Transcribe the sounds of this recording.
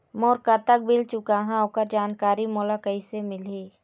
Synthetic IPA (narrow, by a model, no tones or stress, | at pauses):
moːɾkat̪ək̚bɪlt͡ʃʊkaɦãokəɾd͡ʒaːnkaːɾimɔːlakəisemɪleː